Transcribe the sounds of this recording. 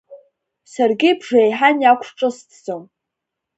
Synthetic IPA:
sarɡʲɪbʐejħanjakʷʰʈ͡ʂʼɨstʰzom

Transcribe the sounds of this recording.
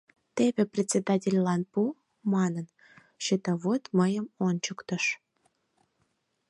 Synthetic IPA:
t̪ebʲĕprʲet͡sʲed̪ɑtʲelʲlɑnpu | mɑnən | ɕit̪ɑβot̪məjəmont͡ɕəkt̪ə̆ʃ

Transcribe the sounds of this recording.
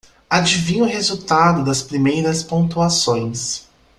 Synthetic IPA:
ad͡ʒivĩɲʊɦezuwt̪ad̪ʊd̪ɐspɾimejɾɐspõt̪uasõj̃s

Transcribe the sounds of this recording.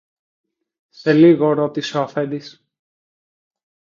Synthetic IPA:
se̞liɣo̞ɾo̞t̪isoɐfend̪is

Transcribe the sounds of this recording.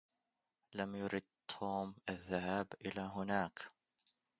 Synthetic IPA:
lamjʊɾɪd̪̚t̪ʰoːmʔaðːahaːbʔɪlaːɦʊnaːk

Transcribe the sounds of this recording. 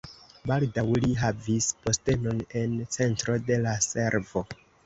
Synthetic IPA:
baldawliɦavispo̞ste̞no̞ne̞nt͡se̞ntɾo̞de̞lase̞ɾvo̞

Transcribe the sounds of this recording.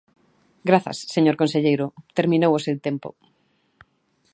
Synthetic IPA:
ɡɾaθɐ̰sːeɲoɾkõnseʎejɾʊt̪eɾmĩnowosewt̪empʊ̰

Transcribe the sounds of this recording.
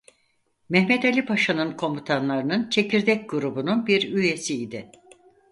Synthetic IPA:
mɛhmɛt̪elʲipʰaʃanɯnkʰo̞mbut̪ʰanlˠaɾɯnɯnt͡ʃʰe̞ciɾd̪ɛc̚ɡuɾubununbiɾyje̞siid̪ɪ

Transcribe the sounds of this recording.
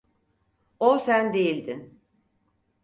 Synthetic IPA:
osænd̪ejilʲd̪in

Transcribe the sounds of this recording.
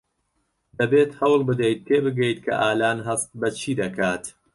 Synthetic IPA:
d̪ɐbeːt̪hɐwlˠbɨd̪ɐjt̪̚t̪ʰeːbɨɡɐjt̪kʰɐ̰ʔaːlaːnɦɐst̪̚bɐt͡ʃʰiːd̪ɐkʰaːt̪

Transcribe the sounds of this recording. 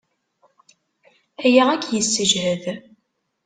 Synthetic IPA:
æjaʁækːjəsːəʒhəð

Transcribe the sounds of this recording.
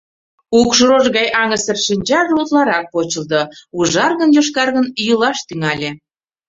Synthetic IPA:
ukʃoɾoʒɣɑjʔɑŋəsərʃinʲt͡ɕɑʒlut̪lɑɾɑk̚pot͡ɕə̆ld̪ouʒɑrɣə̆njoʃ̬kɑrɣənjəlɑʃt̪yŋɑlʲe

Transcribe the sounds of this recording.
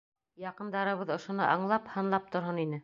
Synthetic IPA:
jɑqɤ̆nd̪ɑɾɤ̆βɤðŏʃŏnɤʔɑɴlˠɑphɤ̆nlˠɑp̚t̪ŏɾɦɤninɘ

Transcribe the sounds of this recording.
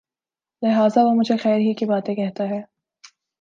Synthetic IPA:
lɪɦaːzaʋomʊd͡ʒʱexɛːɾɦikibaːt̪ẽkɛɦt̪aɦɛː

